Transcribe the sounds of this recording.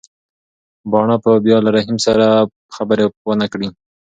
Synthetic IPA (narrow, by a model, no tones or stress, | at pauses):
bɑɳapəbjɑlaɾaɦimsaɾa | xabəɾewənakɽi